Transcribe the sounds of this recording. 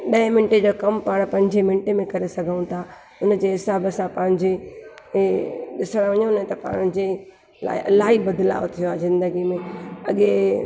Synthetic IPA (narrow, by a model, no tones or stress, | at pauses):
ɗɐɪ̃mɪnɪʈed͡ʑoːkɐmpaːɽ̃pɐ̃ɦɪ̃ɲd͡ʑemɪ̃nʈemẽkɐɾesɐɡʱəũt̪ʰa | ʊnə̆d͡ʑeːɦɪsaːbəsãpɐ̃ɦɪ̃ɲd͡ʑe | ɗɪsəɽ̃ʋɐɲõnẽt̪ɐpa̰ːɽ̃ɲd͡ʑe | la̰ːʔɐlaːɦibɐd̪ɪla̰ːot̪ʰijoaːzɪ̃nd̪əɡimẽɐɠe